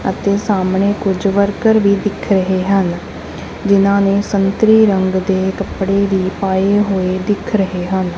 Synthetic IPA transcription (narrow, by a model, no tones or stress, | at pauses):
ə̰t̪eːsaːmɳeːkʊd͡ʒʋəɾkəɾʋiːd̪ɪkʰɾəɦeːɦən | d͡ʒɪnãːneːsənt̪ɾiːɾəŋɡd̪eːkəpɽeːʋiːpaːeɦoːeːd̪ɪkʰɾəɦeːɦən